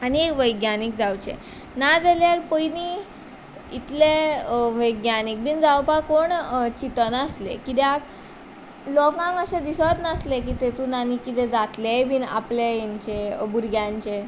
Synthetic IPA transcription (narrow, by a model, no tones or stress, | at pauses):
aniekʋəjɡnjanik̚d͡zawt͡ɕḛ | nad͡zaljaɾpəjni | it̪leʋəjɡnjanik̚biːnd͡zawpakoɳt͡ɕit̪ənəslḛkit̪eak | lɔkãŋɡəɕed̪isaət̪naslekiːt̪et̪unanikit̪ed͡zat̪lebʱiːna̰plejiɲt͡ɕebuɾɡjãɲt͡ɕe